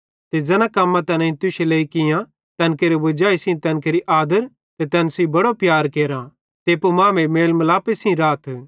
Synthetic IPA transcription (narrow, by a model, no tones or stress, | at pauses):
t̪ed͡zɐnãkɐmːãt̪ɐnɛ̃ĩt̪ʊʃeleikɪjã | t̪ɛ̃ːnkeːɾebʊd͡ʒaːisĩt̪ɛːnkeːɾiʔaːd̪əɾ | t̪et̪ɛːnsĩbɐɽopjaːɾkeːɾã | t̪eːpomãːmemeːlmɐlaːpesĩɾaːt̪ʰ